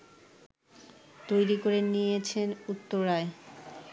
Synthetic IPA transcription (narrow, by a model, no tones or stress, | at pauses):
t̪ojɾikoɾenijet͡ɕʰenut̪ːoɾːae